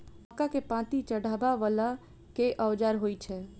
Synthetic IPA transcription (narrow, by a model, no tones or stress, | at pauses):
kakepãt̪it͡ʃəɽ̤ʱaːbaʋala | keʔəwd͡ʒaːɾɦoːit͡ʃʰɛː